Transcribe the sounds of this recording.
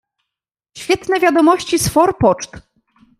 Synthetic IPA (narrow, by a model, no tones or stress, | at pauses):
ɕfʲjɛt̪nɛvʲjad̪ɔmɔɕt͡ɕisfɔɾpɔt͡ʂt̪